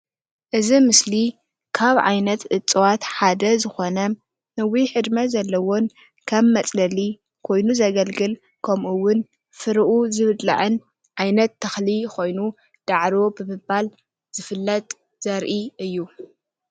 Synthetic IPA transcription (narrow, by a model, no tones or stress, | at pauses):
ʔɨzimɨsli | kʰaβʕa̰jnɐt̪ʔɨt͡sʼwat̪ħad̪ɐzɨxo̞nɐ | nɨwiħɨd̪mɐzɐlːɐwo̞n | kʰɐβːɐt͡sʼlɐli | kʰo̞jnuzɐɡɐlɡɨl | kʰɐmʔuwʊn | fɨɾʔuzɨβɨd̪la̰ʕɨn | ʕajnɐt̪ʰːɐxlikʰo̞jnu | d̪̥aʕɾobɨmɨbal | z̥ɨfɨlːɐt̪ʼ | z̥ɐɾʔiʔɨjːu